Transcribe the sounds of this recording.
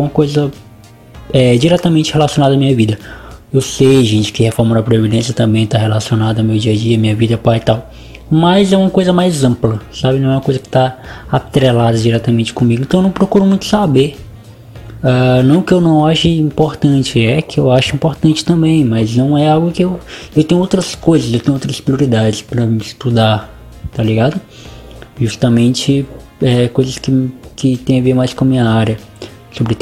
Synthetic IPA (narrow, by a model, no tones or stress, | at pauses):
ɛũmɐkojzɐ | ɛd͡ʒiɾɛt̪ɐmẽnt͡ʃɪhelasionad̪ɐamĩɲɐvid̪ɐewsejʒẽt͡ʃɪ̥kɪhefɔɾmɐd̪ɐpɾevid̪ẽsjɐt̪ɐ̃mbẽj̃t̪aɦelasionad̪ɐmewd͡ʒiɐd͡ʒiɐːmĩɲɐvid̪ɐpajɪt̪aw | mɐzɛũmɐkojzɐmajzɐ̃plɐsabɪnɐ̃w̃ɛũmɐkojzɐkɪ̥t̪aat̪ɾɛlad̪ɐd͡ʒiɾɛt̪ɐmẽnt͡ʃɪ̥kõmiɡʊɪ̃ẽt̪ɐ̃ẽwnɐ̃w̃pɾokuɾʊmũj̃t̪ʊ̥sabe | anɐ̃w̃ʊkɪewnɐ̃w̃aʃʊĩpoɾt̪ɐ̃t͡ʃɪɛkɪewaʃʊĩmpoɾt̪ɐ̃nt͡ʃɪ̥t̪ɐ̃mbẽj̃mɐznɐ̃w̃ɛawɡʊkɪewewt̪ẽɲ̃ʊowt̪ɾɐskojzɐsewt̪ẽɲ̃ʊowt̪ɾɐspɾioɾid̪ad͡ʒɪspɾɐmist̪ud̪a | t̪aliɡad̪ʊ | ʒust̪ɐmẽt͡ʃɪ | ɛkojzɐskɪkʰɪt̪ẽj̃ɐveɾmajskõɐmĩɲɐaɾjɐ | sobɾɪ